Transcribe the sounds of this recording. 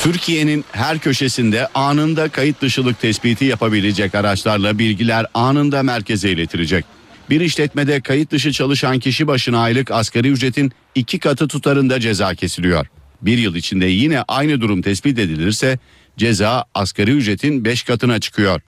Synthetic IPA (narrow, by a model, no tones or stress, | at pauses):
t̪ʰyɾcʰije̞ninɦæɾcʰø̞ʃe̞sind̪ɛʔaːnɯnd̪akʰajɯt̪̚d̪ɯʃɯlˠɯk̚t̪ʰɛspiːt̪ʰijapabilʲid͡ʒɛcaɾat͡ʃlˠaɾlˠabilʲɟilʲæɾaːnɯnd̪amæɾcʰe̞zɛilʲet̪ʰiɾid͡ʒɛc̚ | biɾiʃlʲɛt̪med̪ɛkʰajɯt̪̚d̪ɯʃ̬ɯt͡ʃʰalˠɯʃancʰiʃibaʃɯnaːjlˠɯkaskaɾijyd͡ʒɾe̞t̪ʰin | icʰikʰat̪ʰɯt̪ʰut̪ʰaɾɯnd̪ad͡ʒe̞zaːcʰe̞silʲijo̞̰ɾ̥ | biɾjɯlˠit͡ʃʰind̪ɛjinɛʔajnɯd̪uɾumt̪ʰɛsbit̪e̞d̪ilʲiɾsɛ | d͡ʒe̞zaːaskʰaɾɯjyd͡ʒɾe̞t̪ʰinbɛʃkʰat̪ʰɯnat͡ʃʰɯ̥kʰɯjo̞ɾ̥